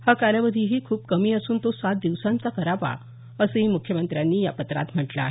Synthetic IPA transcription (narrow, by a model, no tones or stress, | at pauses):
hakaljaʋəd̪ʱiːɦiːkʰuːp̚kəmiːəsuːnt̪osat̪̚d̪iʋsãnt͡sakəɾapa̰ | əsəɦiːmukʰjəmənt̪ɾjanːiːja̰pət̪ɾa̰t̪m̤əʈla̰ːɦe